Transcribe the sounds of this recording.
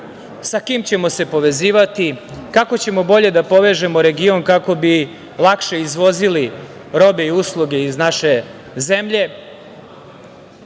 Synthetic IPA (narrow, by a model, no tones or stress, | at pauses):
sakiːmt͡ɕe̞mo̞se̞po̞ʋe̞ziːʋat̪ikako̞t͡ɕe̞mo̞bo̞ʎe̞d̪apo̞ʋe̞ʒe̞moɾe̞ɡio̞nkako̞bi | lˠakʃe̞izʋo̞zili | ɾo̞be̞iuslˠuɡe̞iznaʃe̞ | ze̞mʎe̞